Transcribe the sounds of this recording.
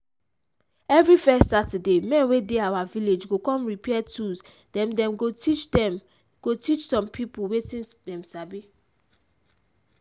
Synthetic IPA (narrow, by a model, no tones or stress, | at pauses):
ɛvɹifɛstsatɛdemɛ̃nwedeawaviled͡ʒɡokɔ̃mɹipʰɛɛtus | dɛ̃mdɛ̃mɡotit͡ʃdɛm | ɡ̥otit͡ʃsɔ̃mpʰipuwetĩndɛ̃msabi